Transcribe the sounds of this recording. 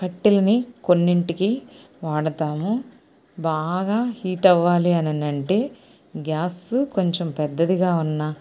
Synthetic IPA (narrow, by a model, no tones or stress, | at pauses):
kɐʈːilɐniko̞nːiɳʈiki | ʋaːɽɐt̪aːmu | baːɡaːhiːʈɐʋːaːliɐnɐnɐɳʈe̞ː | ɡjaːsuko̞ɲt͡ʃempɛd̪ːɐd̪iɡaːunːɐ